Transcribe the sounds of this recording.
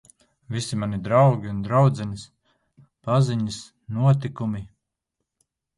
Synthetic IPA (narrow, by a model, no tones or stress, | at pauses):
visimanid̪ɾawɡʲiund̪ɾawd̪zɛnis | paziɲɨs | nuɔt̪̬ikumi